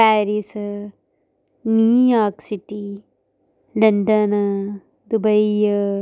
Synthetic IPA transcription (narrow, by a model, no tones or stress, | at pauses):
paːɾis | miːjaːksiʈi | lɐɳɖɐn | d̪ubɐi